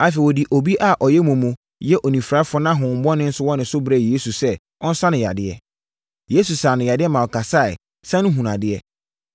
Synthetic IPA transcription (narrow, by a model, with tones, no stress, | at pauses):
a˨fɛ˨wɔ˨di˨ʔo˨bi˦ʔa˦˨ʔɔ˨jɛ˦mũ˨mũ˨ | jɛ˦ʔo˨nĩ˨fɾa˨˦fɔ˦nã˦ɦʊ̃˨m̩˨bɔ˦nɪ̃˦n̩˦sʊ˦wɔ˦nɪ̃˨sʊ˦bɾɛ˨je˦su˨sɛ˦ | ɔ˦n̩˦sã˦nɪ̃˨ja̰˨dɪ˦ɛ̰˦ | je˦su˨saː˨nʊ̃˨ja˨dɪ˦ɛ˦mã˨wɔ˨kʰa˨sa˦˨ɪ̰˨ | sã˦nʊ̃˦ɦũ˨nã̰˨dɪ˦ɛ˦